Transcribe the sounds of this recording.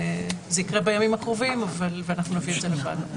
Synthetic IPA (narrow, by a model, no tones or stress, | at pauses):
zeikʁebejamimakʁovimavalveanaχnunavied̪zelava̰dnu